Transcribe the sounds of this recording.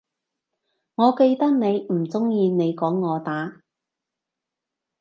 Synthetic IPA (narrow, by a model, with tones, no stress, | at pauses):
ŋɔː˨˧ke˧jt̪ɐ˥k̚ne˨˧jm̩˨˩t͡sʊ˥ŋjiː˧ne˨˧jkɔː˨˥ŋːɔː˨˧t̪aː˨˥